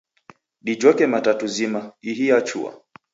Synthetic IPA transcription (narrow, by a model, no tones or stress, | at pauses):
ɗid͡ʒɔkɛmatatuzimaiɦiat͡ʃṵa̰